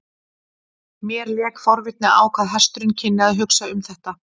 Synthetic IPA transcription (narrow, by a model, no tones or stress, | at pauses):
mjɛɾljɛːkfɔɾvɪt̪̚nɪaːwkʰvaðɦḁst̪ɾʏncʰɪnːɪaðɦʏksaʏmθɛht̪a